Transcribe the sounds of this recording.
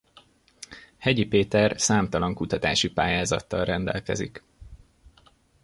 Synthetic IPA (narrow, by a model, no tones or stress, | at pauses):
hɛɟipeːt̪ɛrsaːmt̪ɒlɒŋkut̪ɒt̪aːʃipaːjaːzɒ̰t̪ːɒlrɛnd̪ɛ̰lkɛ̰zḭk